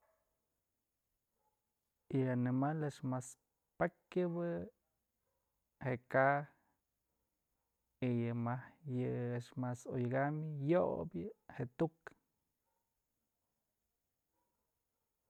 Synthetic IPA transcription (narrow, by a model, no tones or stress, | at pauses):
jɨanimaleʂmas | pakɨbɨ | hekah | ijɨmahjɨeʂmasojɡamjobjɨhet̪uk